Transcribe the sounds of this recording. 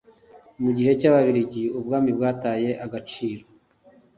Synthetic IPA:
muɟihe̞caβaβiɾiɟiubɡaːmibɡaːtaːje̞ʔaɡat͡ʃiːɾo̞

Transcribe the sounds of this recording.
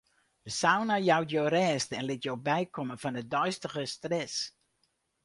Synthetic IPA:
d̥əsawnajawtjorɛːstɛnlɪtjowbɛjkɔməvɔndədœɥstəɣəstrɛs

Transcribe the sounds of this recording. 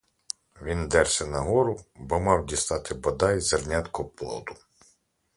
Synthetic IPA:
ʋʲind̪ɛrsʲɛnɐɦɔɾʊbɔmɑwdʲist̪ɑt̪ɪbɐd̪ɑjzɐrnʲat̪kɔplˠɔ̰d̪ʊ

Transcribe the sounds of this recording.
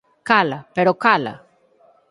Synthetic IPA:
kalapeɾokala̰

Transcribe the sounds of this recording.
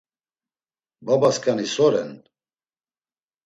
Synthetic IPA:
babaskʰʼanisɔɾɛ̰n

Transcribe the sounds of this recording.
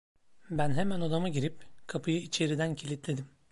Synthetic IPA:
bænɦemæno̞d̪amaɟiɾipkʰapʰɯjɯit͡ʃʰe̞ɾid̪æncʰilʲit̪lʲed̪im

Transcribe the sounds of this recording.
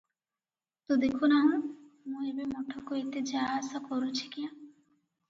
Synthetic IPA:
t̪od̪ekʰunaɦũ | mũebemɔʈʰɔkoit̪ed͡ʒasakɔɾũt͡ʃʰikiã

